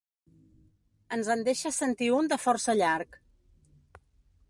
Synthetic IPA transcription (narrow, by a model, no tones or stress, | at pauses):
ənzənd̪eʃəsənt̪iund̪əfɔɾsəʎaɾk